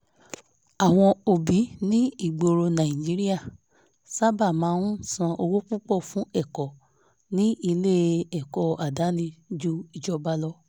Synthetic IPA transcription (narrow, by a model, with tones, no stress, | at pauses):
a˨w̃ɔ̃˧o˨bi˨˦nĩ˦i˦˨ɡ͡bo˧ɾo˧nã˨ĩ˨d͡ʒi˦ɾi˦a˦˨ | sa˦ba˦˨mãː˨˧˦nũ˦sã˧ʔo˧wu˦k͡pu˦k͡pɔ˦˨fũ˨˦ɛ˦˨kɔ˨ | nĩ˦i˧le˦ɛ˨kɔ˨a˨da˨˦nĩ˧d͡ʒu˦i˧d͡ʒɔ˧ba˧lɔ˧˦